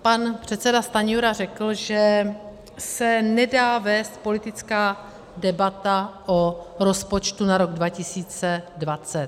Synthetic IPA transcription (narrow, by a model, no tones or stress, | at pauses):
panpr̝̥ɛt̪sɛdast̪aɲuɾarɛkl̩ʒɛ | sɛnɛdaːvɛːst̪̚po̞lɪt̪ɪt͡skaː | dɛbat̪aʔoɾo̞spo̞t͡ʃt̪unaɾo̞ɡdvacɪsiːt͡sɛdvat͡sɛt̪